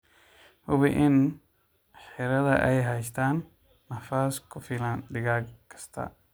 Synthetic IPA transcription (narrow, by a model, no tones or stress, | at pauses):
hʊβɪʔɪn | ħɪɾɐðɐʔɛjɦɛjst̪ʰaːnː | ɐfaːskʰʊfɪlɐnd̪ɪɣaːɡkʰɐ̥st̪ʰɐ̰